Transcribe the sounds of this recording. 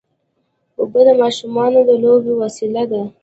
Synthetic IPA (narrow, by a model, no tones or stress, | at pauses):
bəbəd̪amɑʃumɑnod̪əlobewasilad̪a